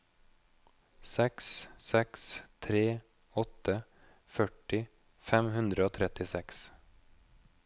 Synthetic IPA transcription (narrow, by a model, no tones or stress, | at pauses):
sɛkssɛkst̪ʰɾeː | ɔt̪ə | fœʈɪ | fɛmhʉnd̪ɾəoːt̪ʰɾɛt̪ɪsɛks